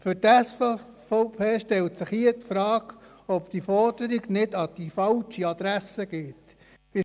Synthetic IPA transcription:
fʏɾtæs | fɔʊpʰeːʃtɛltsɪχhiətfɾɑːɡ | ɔpd̥ifɔrd̥əɾiɡnɪdɑd̥ifɑlt͡ʃiɑd̪̥ɾæsəɡɪt | ɪ

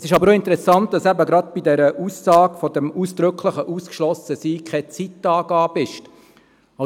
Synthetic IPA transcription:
sɪʃɑbəɾoɪnt̪əɾɛsɑnt̚d̥ɑsæbəɡɾɑd̪̚b̥idɛɾəʔusːɑːɡfɔdɛmuːsd̥̪ɾʏkχləχəʔuːskʃlɔsəsiːkχɛt͡sitːɑːɡɑːbɪʃt | ɑ

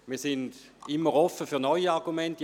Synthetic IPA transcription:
miːɐsɪnd̥ɪmːəʁɔfəfyɐnɔʏiaʁɡumɛnt

